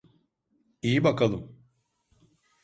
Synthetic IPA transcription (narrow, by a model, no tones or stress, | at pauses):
ijibakalˠɯm